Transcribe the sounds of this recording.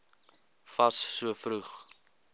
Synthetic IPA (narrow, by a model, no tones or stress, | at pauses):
fɐssuəfruχ